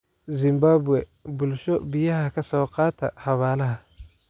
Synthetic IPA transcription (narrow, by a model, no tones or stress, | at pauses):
zɪmbaːbwɛbʊlʃɔbɪjɐɦɐkʰɐsɔːqɑːt̪ʰɐ̰hɐβaːlɐɦɐ